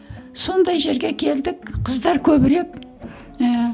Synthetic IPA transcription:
so̞nd̪ɑjʒe̞ɾɡʲe̞kʲʰe̞ld̪ɪkqʰəzd̪ɑɾkʲʰɵbɪɾe̞k̚

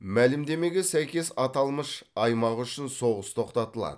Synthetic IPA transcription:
mælɪmd̪e̞me̞ɡʲe̞sæjkʲe̞sɑt̪ɑlˠməʃɑjmɑʁʏʃɪnso̞ʁəst̪ʰo̞qt̪ɑt̪əlˠɑ̰d̪ə

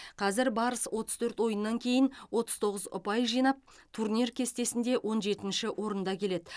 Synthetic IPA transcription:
qʰɑzɪɾbɑɾəswʔo̞t̪əz̥t̪ʰɵɾt̪wo̞jənːɑŋkʲʰe̞jɪnwo̞t̪əzt̪ʰo̞ʁəzʊ̰pɑjʒijnɑp̚t̪ʰurnʲirkʲʰe̞st̪e̞sɪnd̪e̞wʔo̞nʒe̞t̪ɪnʃɪʔwʔo̞ɾənd̪ɑkʲʰe̞le̞d̪ɪ

